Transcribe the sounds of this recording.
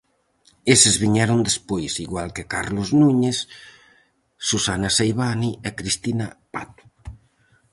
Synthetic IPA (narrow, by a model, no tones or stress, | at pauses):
esezβiɲɛɾond̪espojsiɣwalkekaɾloznuɲes | usanasejβaniekɾist̪inapat̪u̥